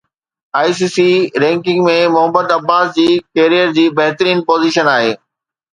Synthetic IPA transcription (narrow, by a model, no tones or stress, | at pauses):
aːis̬iːsiɾɛ̃ːŋkɪ̃ŋɡmẽmʊɦəbəd̪ɐbːaːsd͡ʑiːkeːɾijəɾd͡ʑiːbɐɦt̪əɾiːnpoːziʃənaːɦeː